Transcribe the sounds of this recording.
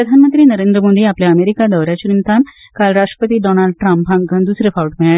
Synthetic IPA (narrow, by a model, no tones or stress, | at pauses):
ɾəd̪ʱanmənt̪ɾiːnəɾẽnd̪ɾəmod̪iːapljaːmeɾikad̪əʋɾjat͡ɕuɾint̪ʰan | kalɾaʂʈɾə̥pət̪iːɖɔnalɖʈɾãmpbʱãŋɡɡand̪usɾefawʈmeɭa